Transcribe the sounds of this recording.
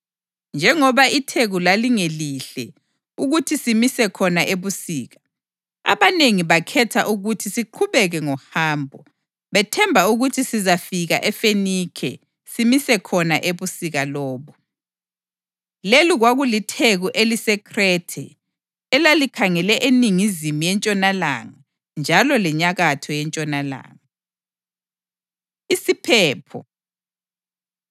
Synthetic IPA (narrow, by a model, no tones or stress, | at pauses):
nd͡ʒʱɛŋɔβaitʰeɣulaliŋeliɬɛ̰ | uɣutʰisimisɛkʰɔnaʔeβusiːɣa | a̰βaneŋiβakʰɛtʰa̰ʔuɣutʰisiǃʰuβɛɣɛŋɔhaːmbʱɔ | βɛtʰɛmbʱauɣutʰisizafiɣa̰ʔɛfenikʰɛ̰ | simisɛkʰɔna̰ʔeβusiɣalɔːβɔ | leliɣwaɣulitʰeɣuʔelisɛkʰrɛtʰɛ̰ | ɛlalikʰaŋɛlɛʔeniŋizimijɛnt͡ʃʼɔnala̰ŋa | nd͡ʒʱalɔlɛɲaɣatʰɔjɛnt͡ʃʼɔnala̰ːŋa | isipʰɛːpʰɔ̰